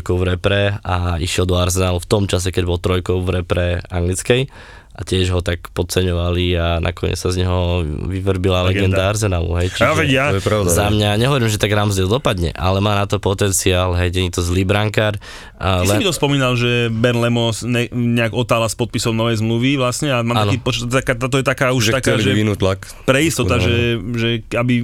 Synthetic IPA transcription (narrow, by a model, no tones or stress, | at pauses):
jkɔʊvɾɛpɾɛaiʃɪɛld̪ɔaɾzɛnaːluft̪ɔmt͡ʃasɛkɛɟbɔlt̪ɾɔjkɔʊvɾɛpɾɛa̰ŋɡlit͡skɛj | ʔacɪɛʒɦɔt̪akpɔt̪̚t͡sɛɲɔʋalianʔa̰kɔɲɛ̰t͡ssazɲɛɦɔʋiʋrbilalɛɡɛnd̪aaɾzɛnaːlṵɦɛjt͡ʃʋɛɟapɾaʊd̪zamɲaɲɛɦɔʋɔɾiːmʒɛt̪aɡɾamzd̪ɛlˠd̪ɔpad̪ɲɛ̰ʔa̰lɛmaːnat̪ɔpɔt̪ɛnt͡siaːlɦɛjɟɛɲit̪ɔzliːbɾaŋkaɾ | libit̪ɔspɔmiːnalʒɛbɛɾnlɛmɔsɲɛɲɛaɡɔt̪aːlaspɔt̪̚pisɔʊnɔʋɛjzmluʋiʋlasɲɛamamankiːpɔt͡ʃakat̪aːt̪ɔjɛt̪akaːuʃt̪akaːʒɛinut̪lak | pɾɛist̪ɔt̪aʒɛʒɛabi